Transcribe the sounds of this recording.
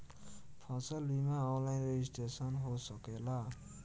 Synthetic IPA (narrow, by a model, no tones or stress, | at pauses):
pʰasʌlbimaɔnlajnɾeisʈesʌnɦosʌkela